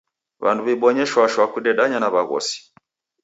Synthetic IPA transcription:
βa̰nduβɛɓɔɲɛʃwaʃwakuɗɛɗaɲanaβaɣɔ̰si̥

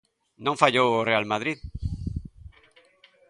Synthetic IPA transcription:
nõŋfaʎoworealmaðɾið

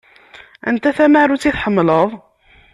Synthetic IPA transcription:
æ̰nt̪æθæmaʕɾut͡sːiθħəmːləðˤ

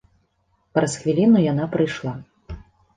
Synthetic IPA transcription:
pɾɐsxvʲilʲinujanapɾɨjʂlˠa

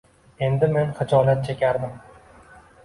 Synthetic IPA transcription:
e̞nd̪ɪme̞nχɨd͡ʒɒlat̪̚t͡ʃʰekʲʰaɾman

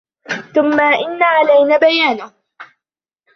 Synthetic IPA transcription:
θʊmːaʔɪnːaːʕalajnaːbajaːnʊh

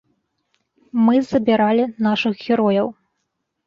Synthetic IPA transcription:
mɨzɐbʲiɾalʲinaʂɨxɣʲɛɾɔjɐw

